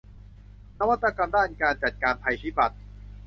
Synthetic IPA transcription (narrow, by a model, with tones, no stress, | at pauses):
na˦˥wa˦˥t̪ːa˧ka˧mdaː˥˩nkaː˧nt͡ɕa˨˩t̪̚kaː˧npʰa˧jtʰiː˦˥˩ba˨˩t̪̚